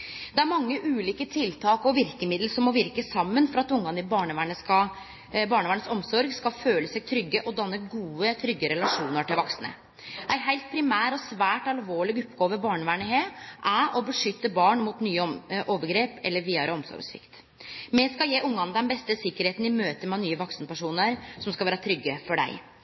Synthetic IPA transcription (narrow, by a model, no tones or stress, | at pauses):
d̪ɛæɾmɑŋːəʔʉːliːkət̪ʰɪlt̪ʰɑːkɔʋɪɾkəmɪd̪l̩sɔmɔʋɪɾkəsɑmːənfɔɾɑt̪ʊŋːɑnɪbɑːɳəʋæːɳəskɑ | bɑːɳəʋæːɳəsɔmsɔɾɡskɑføːləsæɪt̪ʰɾʏɡːəʔɔd̪ɑnːəɡuːət̪ʰɾʏɡːəɾɛlɑʂuːnəʈɪlʋɑksnə̰ | ʔæɪɦæɪlt̪̚pʰɾɪmæːɾɔsʋæːʈɑlʋoːɭɪɡʊpɡoːʋəbɑːɳʋæːɳəɦeːʔæʔɔbəʂʏt̪ːəbɑːɳmut̪nyːəʔoːʋəɡɾeːpɛlːəɾʋiːɑɾəɔmsɔ̰ɾɡsʋɪ̰kt̪ | mɛskɑjeːʔʊŋːɑnd̪ɛnbɛst̪əsɪkːəɾheːt̪n̩ɪmøːt̪əmɛnyːəʋɔksənəpʰæʂuːnəɾsɔmskɑʋæːɾət̪ʰɾʏɡːəfɔɖæ̰ɪ